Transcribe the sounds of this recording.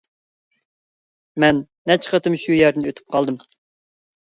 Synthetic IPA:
mɛnːɛt͡ʃʰə̥qət̪ɨmʃujæɾd̪ɪnøt̪ʰy̥p̚qʰɑlˠd̪ɨm

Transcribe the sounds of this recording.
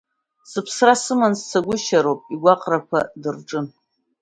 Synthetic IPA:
sɨpʰsrasɨmanst͡sʰaɡʷʊʃaɾowpʼiɡʷaqʼrakʷʰadɨrʈ͡ʂʼɨn

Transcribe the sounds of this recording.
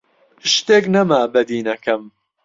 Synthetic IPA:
ʃt̪eknɐmaːbɐd̪iːnɐkɐm

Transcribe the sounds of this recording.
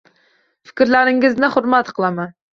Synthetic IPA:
fɪ̥kʲɾlæɾɪŋɪznɪχʊɾmat̪qʰəlˠɑman

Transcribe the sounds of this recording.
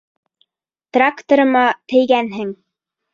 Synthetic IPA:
t̪rakt̪oɾɤ̆mɑt̪ɘ̆jɡænɦɘŋ

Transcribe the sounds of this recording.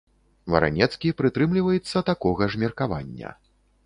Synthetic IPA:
vɐ̰ɾa̰nʲɛt̪skʲipɾɨt̪ɾɨmlʲivɐjɛt̪sːɐt̪akɔɣɐʐmʲɛrkava̰nʲːɐ̰

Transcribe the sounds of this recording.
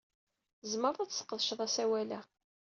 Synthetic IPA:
zməɾˤðˤæt͡ssə̥qːəðˤʃðˤæsæwælæ

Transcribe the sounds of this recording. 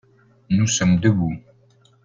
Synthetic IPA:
nusəmd̪əbu

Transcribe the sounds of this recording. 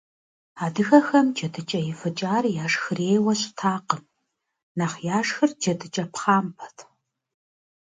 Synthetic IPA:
aːdɨxɐxɐmd͡ʒɐdʰɨt͡ʃʼɐjɪfɨt͡ʃʼaːrjaːʂxɨreːjwɐɕʼtʰaːqəm | naːχjaːʂxɨrd͡ʒɐdɨt͡ʃʼɐpχaːmpʰɐ̥tʰ

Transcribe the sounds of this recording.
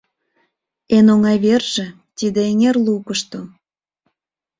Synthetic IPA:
enoŋɑjβerʒĕ | t̪id̪eeŋerlukəʃt̪o

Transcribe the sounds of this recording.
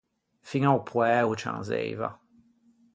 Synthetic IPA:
fiŋawpʰwɛut͡ʃã̰nzḛjva̰

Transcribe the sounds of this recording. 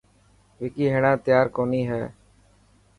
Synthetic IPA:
ʋɪkiːɦeːɽãːt̪ɪjaːɾkoːniːɦɛː

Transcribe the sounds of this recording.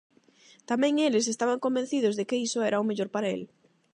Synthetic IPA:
t̪amɛ̃ŋelɪs̬est̪aβaŋkombẽn̟θiðozðekeisoɛɾaumeʎoɾpaɾaḛl

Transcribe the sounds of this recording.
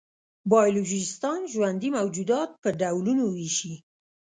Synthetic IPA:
bɑjoloʒɪst̪ɑnʒwand̪imawd͡ʒud̪ɑt̪̚pəɖawlunowiʃi

